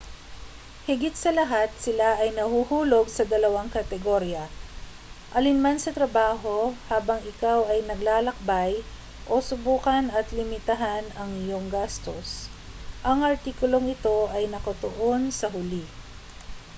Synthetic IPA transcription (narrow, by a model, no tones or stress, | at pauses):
hɪɡɪt̪̚sɐlɐɦat̪̚sɪlaʔɐjnɐhuhuːlo̞ɡ̚sɐd̪ɐlɐwaŋkɐt̪ɛɡoɾjɐ | ʔɐlɪnmansɐt̪ɾɐbaːɦo̞haːbɐŋɪkawɐjnɐɡlaːlɐk̚baj | ʔo̞sʊbuːkɐnɐt̪lɪmɪt̪ɐɦanɐŋɪjo̞ŋɡast̪os | ʔɐŋʔɐɾt̪iːkʊlo̞ŋɪt̪o̞ʔɐjnɐkɐt̪oʔonsɐɦʊli